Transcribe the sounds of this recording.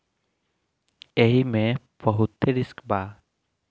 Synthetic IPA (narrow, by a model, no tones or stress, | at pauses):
eɦimẽ | pəɦut̪ːeɾiskbaː